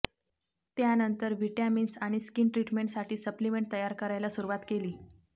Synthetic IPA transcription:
t̪janənt̪əɾʋiʈaminsaɽ̃iskiːnʈɾiʈmeɳʈsaʈʰiːsəplimeɳʈ̚t̪əjaɾkəɾajlasuɾuʋat̪keliː

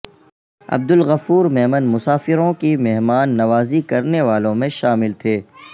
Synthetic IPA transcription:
ɐ̰b̚d̪ʊlɣɐfuːɾmɛɦmənmʊsaːfɪɾõkimɛɦmaːnːɐʋaːzikɐɾneʋaːlõmẽʃaːmɪlt̪ʰeː

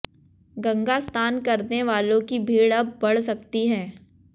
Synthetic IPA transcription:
ɡɐ̃ŋɡast̪ʰaːnkɐɾneʋaːlõkibʱiːɽɐb̚ːɐɽ̤sɐk̚t̪iɦɛ̃ː

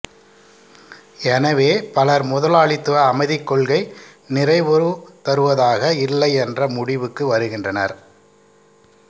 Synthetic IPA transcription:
ɛnɐʋeːpɐlɐɾmʊðɐlaːɭɪt̪ːɯʋɐːmɐɪðɪkːɔɭɣɐɪ | nɪrɐɪʋɔɾɯt̪ɐɾɯʋɐðaːɣɐɪlːɐɪɛndrɐmʊɽɪʋɯkːɯʋɐɾɯɣɪndrɐnɐ̰ɾ

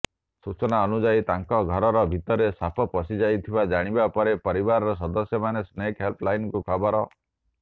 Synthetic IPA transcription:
sut͡ʃɔnaɔnud͡ʒait̪aŋkɔɡʱɔɾɔɾɔbʱit̪ɔɾesapʰɔpɔsid͡ʒajt̪ʰibad͡ʒaɽ̃ibapɔɾepɔɾibaɾɔɾɔs̬ɔd̪ɔsjɔmanesnekɦelpʰlajnɔkukʰɔbɔɾɔ

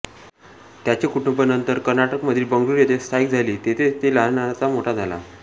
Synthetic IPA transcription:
t̪jat͡ɕekuʈumbənənt̪əɾkəɾnaʈəkməd̪ʱːiːbəŋɡɾuɾjet̪ʰest̪ʰaik̚d͡zʱaliːt̪et̪ʰet̪elaɦnat͡samoʈʰad͡zʱala̰

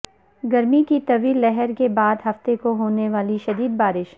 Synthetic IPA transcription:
ɡɐɾmikit̪ɐʋiːlːɛɦɛɾkebaːd̪ɦɐft̪ekoɦoːneʋaːliʃɐd̪iːd̪̚baːɾɪʃ

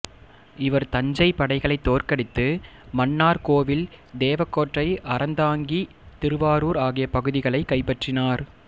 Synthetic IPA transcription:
ɪʋɐɾt̪ɐɲd͡ʒɐɪpɐɽɐɪɣɐɭɐɪt̪ːoːrkɐɽɪt̪ːɯ | mɐnːaːɾkoːʋɪld̪eːʋɐkːoːʈrɐɪʔɐɾɐnd̪aːŋɡi | t̪ɪɾɯʋaːɾuːɾaːɣɪjɐpɐɣɯðɪɣɐɭɐɪkːɐɪpːɐʈrɪnaːɾ

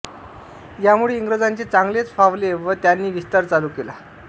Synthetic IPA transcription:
jamuɭeiŋɡɾəd͡zaɲt͡ɕet͡saŋɡlet͡sfaʋleʋət̪janːiːʋist̪aɾt͡saluːkela

